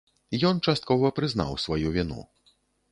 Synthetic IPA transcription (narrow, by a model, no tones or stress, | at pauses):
jɔnt͡ʂast̪̚kɔvɐpɾɨzna̰wsvajuvʲinṵ